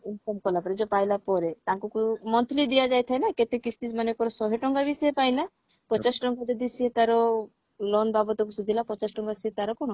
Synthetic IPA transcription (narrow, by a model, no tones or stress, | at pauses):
inkɔmkɔlapɔɾed͡ʒɔpajlapɔɾet̪ãkukumɔnt̪ʰlid̪iad͡ʒajt̪ʰajnaket̪ekisʰt̪ismanekɔɾɔsɔɦeʈɔŋɡabisɔepajla | pɔt͡ʃasʈɔŋɡad̪ed̪isiet̪aɾɔ | lɔnbabɔt̪ɔkusud͡ʒilapɔt͡ʃasʈɔŋɡasiet̪aɾɔkɔnɔ